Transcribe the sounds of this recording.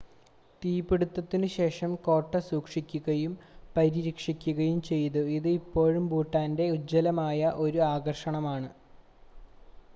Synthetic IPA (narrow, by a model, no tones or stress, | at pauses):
t̪iːpiɽut̪ːɐt̪ːinɨɕe̞ːʂɐmko̞ːʈːɐsuːkʂikʲːuɣɐjumpɐɾiɾikʂikʲːuɣɐjumt͡ɕe̞jt̪uiðɨipːo̞ːɻumbuːʈːaːnde̞ud͡ʑːɐlɐmaːjɐʔo̞ɾuaːɡɐrʂɐɳɐmaːɳɨ